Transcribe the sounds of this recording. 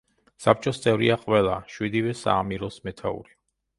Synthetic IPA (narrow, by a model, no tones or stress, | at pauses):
sap̚ʰʼt͡ʃʼɔst̪sʼɛvɾiaqʼwɛlˠaʃwid̪ivɛsa̰ːmiɾɔsmɛt̪ʰaṵɾi